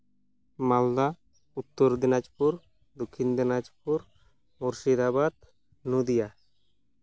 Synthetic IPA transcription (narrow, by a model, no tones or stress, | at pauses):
mald̪a | ut̪ːoɾd̪inad͡ʒpuɾ | d̪okʰːind̪inad͡ʑpuɾ | muɾʃid̪abad̪̚ | nud̪ija